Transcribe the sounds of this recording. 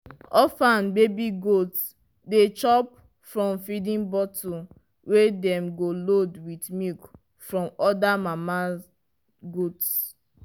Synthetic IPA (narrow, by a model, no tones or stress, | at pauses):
ɔfãnbebiɡots | det͡ʃɔp̚ | fɹɔ̃mfidĩnbɔtu | wedɛ̃mɡolodwitmik | fɹɔ̃mɔdamama | ɡots